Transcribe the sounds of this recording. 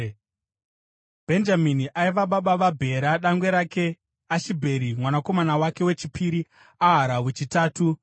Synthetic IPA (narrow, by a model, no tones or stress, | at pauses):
bʱe̞nd͡ʒaminiʔaiʋaɓaɓaʋabʱe̞ɾaɗaŋɡwe̞ɾake̞ | aʃibʱe̞ɾimwanako̞manawake̞we̞t͡ʃipiɾi | aɦaɾawet͡ʃitaːtu